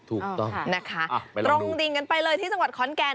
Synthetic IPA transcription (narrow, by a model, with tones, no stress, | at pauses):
t̪ʰuː˨˩kt̪ɔ˥˩ŋna˦˥kʰa˦˥˩ɾo˧ŋdi˧nka˧npa˧jlɤː˧jt̪ʰiː˥˩t͡ɕa˧ŋwa˨˩t̪̚kʰɔː˨˩˦nkɛː˧